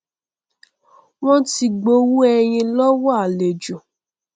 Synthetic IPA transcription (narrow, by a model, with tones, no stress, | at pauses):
w̃ɔ̃˦ti˧ɡ͡bo˧wu˦ɛ˧j̃ĩ˧lɔ˦wɔ˦a˨le˨d͡ʒo˨